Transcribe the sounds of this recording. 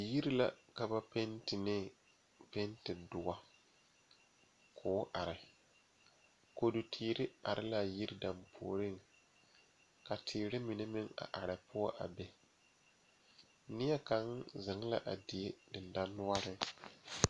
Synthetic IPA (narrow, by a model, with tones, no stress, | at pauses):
ji˦ɾi˦la̰˦˨ka˨ba˦pe˦ntɪ˨nɪ˦ | pe˦ntɪ˨dʊ˨ɡa˦ | kʰʊː˨˦ʔa˨ɾɪ˨ | ko˨du˨tʰiː˨ɾɪ˦ʔa˨ɾɪ˦la˦ji˦ɾda˨mpʰo̰ː˨ɾɪ˦ŋ | ka˨tʰɪː˨ɾɪ˦mi˨ne˦mɪ˦ŋa̰˨ʔa˨ɾɪ˨pʊ˦ɔ˦ʔa̰˨bɛ˨ | nɪ˦jɛ˦ka˨ŋzɪ˨ŋ˦la̰˦ʔa˨dɪ˨e˦dɪ˨nda˦nːʊ˦a˦ɾɪ˦